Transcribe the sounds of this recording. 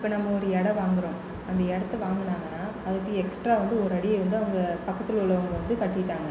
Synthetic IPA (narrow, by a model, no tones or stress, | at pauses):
ɪpːɐːnɐmːɐɔɾɯɛɽɐʋaːŋɡɪɾõ | ɐnd̪ɐɛɽɐt̪ːɯʋaːŋɡɐnaːŋɡɐnːaː | ɐðɯkːɯɛksʈɾaːʋɐnd̪ɯɔɾɯɐɽɪjɐʋɐnd̪ɯɐʋɐŋɡɐpɐkːɐt̪ːɪlʊɭɐʋɐŋɡɐʋɐnd̪ɯkɐʈːɪʈːaːŋɡɐ